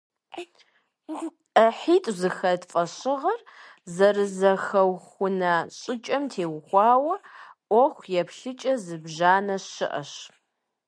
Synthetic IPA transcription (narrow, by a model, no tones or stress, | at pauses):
ɐħiːtʼzɨxɐtfʼɐɕɪʁɐr | zɐrɨzɐxɐwxʷʊnɐɕʼɪt͡ʃʼɐmtʰeːwxʷɑːwɐʔʷɔxʷjɛpɬɨt͡ʃʼɐzɨbʒaːnɐɪ̰ʔɐ̰ɕ